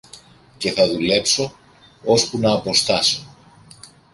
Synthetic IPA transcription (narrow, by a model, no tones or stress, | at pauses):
ce̞θɐðule̞pso̞ | o̞spunɐːpo̞st̪ɐso